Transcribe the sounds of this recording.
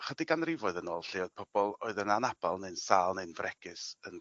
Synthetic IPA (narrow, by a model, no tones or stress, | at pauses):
χədɪɡanrɪvɔɨðənoːlˠɬɪɔð̚pʰɔb̥ɔlˠoɨðənanab̥alˠnensaːlˠnɨnvrʔɛɡ̥ɨsən